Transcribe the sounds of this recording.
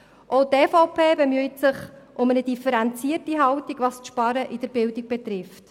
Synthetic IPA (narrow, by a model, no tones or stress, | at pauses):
ʔoʊteːfɔʊpʰeːbɛmyitsɪχʔʊmənədifəɾɛnt͡siərtiɦɑwtiɡʋɑstʃpɑɾəʔid̥əɾbɪldiɡ̚b̥ɛt̪rɪft